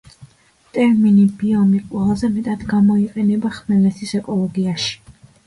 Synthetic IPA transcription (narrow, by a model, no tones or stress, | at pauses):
t̪ʼɛɾminibiɔmiqʼwɛlˠzɛmɛt̪ʼad̪ɡamɔiqʼɛnɛbaχmɛlɛt̪ʰisɛkʼɔlˠɔɡiaʃi̥